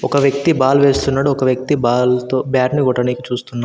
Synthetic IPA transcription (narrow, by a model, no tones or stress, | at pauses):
ɔkɐʋjɐk̚t̪ibaːlʋeːst̪unːaːɽuɔkɐʋjɐk̚t̪ibaːlt̪oːbjaːʈniɡɔʈːɐnikit͡ʃuːst̪unːa